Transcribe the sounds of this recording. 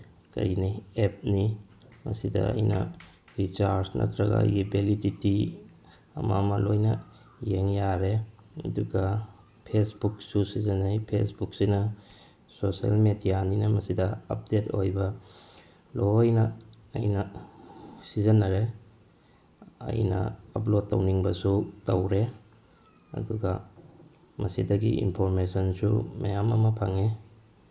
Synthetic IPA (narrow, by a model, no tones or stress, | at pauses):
kɐ̰ɾinijep̚nimɐ̰sidɐ̰ɐ̰jnɐ̰ | ɾit͡ʃaɾsnʔɐ̰t̪ɾɐɡa̰ɐ̰jɡibeliditi | ɐ̰ma̰mɐlojnɐ | jeŋjaɾe | ɐ̰duɡɐ | pʰesbuksusizɐnːajpʰesbuk̚sinɐ | sosiḛlmedijaninɐmɐsidɐɐ̰p̚detojbɐ | lojnɐ | ɐ̰jnɐ | sizɐnːɐɾe | ɐ̰jnɐ̰ɐ̰p̬lod̚tːɐ̰wniŋbɐsutɐwɾe | ɐ̰duɡɐ | mɐsidɐɡḭḭnpʰoɾmesɐnsumɐjamɐmɐpʰaŋe